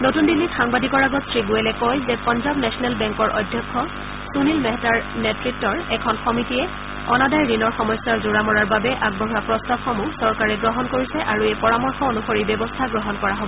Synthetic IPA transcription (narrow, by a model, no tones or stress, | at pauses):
notundilːixaŋbadikɔɹaɡɔtsɹiɡuɛlɛkɔjzɛpɔnzabnɛsɔnɛlbɛŋkɔɹʔɔ̰jdʱjɔkʰːɔ | sunilmɛɦɛtaɹnɛtɹitːɔɹɛkʰɔnxɔmitiɛ | ɔnadajɹinɔɹxɔmɔjsːaɹzoɹamɔɹaɹbabɛʔaɡ̚bɔɦuapɹɔstabxɔmusɔɹkaɹɛɡɹɔɦɔnkoɹisɛʔaɹuejpɔɹamɔɹxɔonuxoɹibɔbɔstʰaɡɹɔɦɔnkɔɹaɦobɔɔ